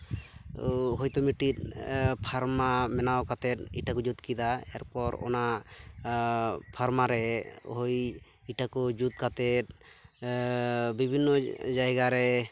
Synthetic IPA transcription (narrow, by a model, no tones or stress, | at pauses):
ɦojt̪ɔmiʈit̪̚pʰaɾmamɛnawkat̪ɛt̪̚iʈakɔd͡ʒut̪kid̪aɛ̰ɾpɔɾɔ̰na | pʰaɾmaɾɛhoj | iʈakɔd͡ʒut̪̚kat̪ɛt̪̚ | bibʱinːɔd͡ʒajɡaɾɛ